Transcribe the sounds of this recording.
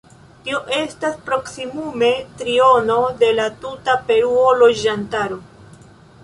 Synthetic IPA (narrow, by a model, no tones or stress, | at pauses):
tio̞ʔe̞staspɾo̞ksimume̞tɾio̞no̞de̞latutape̞ɾuolo̞d͡ʒantaɾo̞